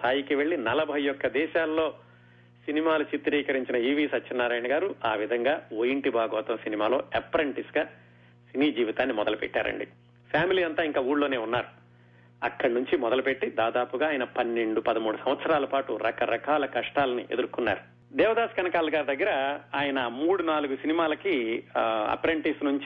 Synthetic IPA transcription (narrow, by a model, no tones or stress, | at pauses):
st̪ʰaːjikiʋeɭːinɐlɐbʱɐjjɔkːɐd̪ɛːʃaːlːo̞ː | sinimaːlut͡ʃit̪ɾiːkɐɾiɲt͡ʃinɐiːʋiːsɐt͡ʃːt͡ʃinːaɾaːjɳɐɡaːɾuaːʋid̪ʱɐŋɡaːoːjiɳʈibaːɡɐːt̪ɐmsinimaːlo̞ːɐpːɐɾeɳʈisɡaː | siniːd͡ʒiːʋit̪aːnːimɔd̪ɐlupɛ̰ʈːa̰ːɾɐ̰ɳɖḭ | pʰjaːmiliːɐnt̪aːiŋkaːuːɽloːne̞ːunːaːɾu | ɐ̰kːɐɽɐnuɲt͡ʃimɔd̪ɐlupe̞ʈːid̪aːd̪aːpuɡaːjɐnɐpɐnːeɳɖupɐd̪ɐmuːɽusɐmʋɐt̪sɐɾaːlɐpaːʈuɾɐkɐɾɐkaːlɐkɐʂʈaːlɐniʔed̪uɾkunːa̰ːɾu | d̪ɛːʋɐd̪aːsɐ̥kɐnɐkaːlɐɡaːɾud̪ɐɡːɐɾɐaːjɐnɐmuːɽunaːluɡusinimaːlɐki | ɐ̰pːɐɾeɳʈisnuɲt͡ʃi